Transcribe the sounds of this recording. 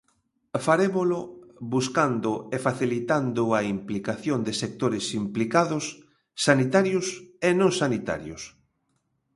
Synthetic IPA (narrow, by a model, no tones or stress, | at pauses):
faɾeβolʊβuskand̪ʊefaθilit̪and̪ʊaimplikaθjond̪ɪsek̚t̪oɾɪsimplikaðʊsː | anit̪aɾjʊsenõŋsanit̪a̰ɾjo̰s